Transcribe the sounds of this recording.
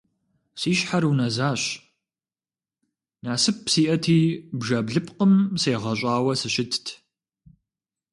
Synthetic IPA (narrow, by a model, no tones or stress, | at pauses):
siːɕħaɾuːnɐzaːɕ | naːsɨp̚ʰsiːʔɐtʰiːbʒɐbɮɨpqəmseːʁɐɕʼaːwɐsɨɕɪtʰtʰ